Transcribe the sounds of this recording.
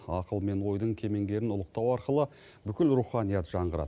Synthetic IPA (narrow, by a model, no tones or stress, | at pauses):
ɑqəlˠme̞nwo̞jd̪əɴkʲʰe̞me̞ŋɡʲe̞ɾɪnʊlˠəq̚t̪ɑwɑɾqəlˠə | bʏkʲɪlɾuχɑnijɑt̪ʒ̥ɑɴʁəɾɑ̰d̪ə